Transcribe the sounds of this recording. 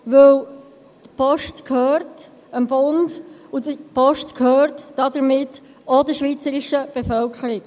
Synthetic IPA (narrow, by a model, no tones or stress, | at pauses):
ʋɵw | d̥əpʰɔʃtkʰhøːɾt | ənbʊndudəpɔʃtkʰhøːɾtːɑd̪əɾmɪtː | ɔd̪əʃʋiːt͡səɾiʃəb̥efœlkχəɾɪɡ